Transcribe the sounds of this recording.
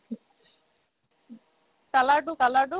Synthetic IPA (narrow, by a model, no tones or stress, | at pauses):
kɐlaɖukɐlaɖu